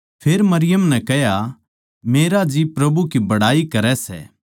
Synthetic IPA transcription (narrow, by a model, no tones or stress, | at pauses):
pʰeːɾmɐɾɪjəmnɛkɛɦja | meːɾad͡ʒipɾɐbukibɐɽaːikɐɾɛsɛ̰ː